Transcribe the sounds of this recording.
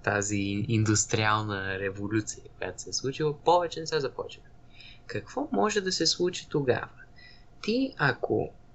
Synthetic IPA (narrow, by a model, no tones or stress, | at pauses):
t̪aziːnd̪ust̪ɾialˠnəɾɛvolʲut̪sijəkoja̰t̪o̥sɛslˠut͡ʃilˠəpɔvɛt͡ʃɛnɛsɛzɐpɔ̰t͡ʃiə | kɐkv̥ɔmɔʒɛd̪ɐsɛslˠut͡ʃi̥t̪oɡa̰və | t̪iɐkʰo̰